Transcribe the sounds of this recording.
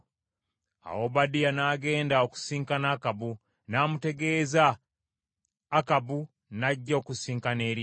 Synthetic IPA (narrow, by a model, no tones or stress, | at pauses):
a̰wobadianaːɡe̞ːndaoku̥siːŋkanaːkabu | naːmute̞ɡe̞ːza | kabu | naɟːaokusiːŋkaneːɾi